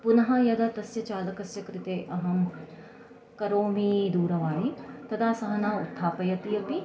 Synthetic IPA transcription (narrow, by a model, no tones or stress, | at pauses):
punɐɦɐjɐd̪ɐt̪ɐsjɐt͡ʃaːlɐkɐsjɐkɾɪt̪eːʔɐɦɐm | kɐɾoːmiːd̪uːɾɐʋaːɦit̪ɐd̪ʰaːsɐɦɐnaːṵt̪ʰːaːpɐjɐt̪ijɐpi